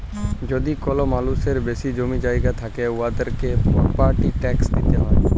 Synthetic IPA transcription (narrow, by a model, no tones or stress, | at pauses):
d͡ʒod̪ikolomaluseɾbesid͡ʒomid͡ʒaːiɡat̪ʰakeuad̪əɾkeɔpaɾʈiʈɛksd̪it̪eɦɔ̃